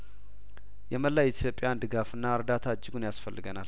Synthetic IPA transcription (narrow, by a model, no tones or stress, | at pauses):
jɛməlːajɛt̪ʰjo̞pʼːjand̪ɨɡafɨnːaɨɾd̪at̪ʰad͡ʒːɪɡunjasfəlːɨɡənal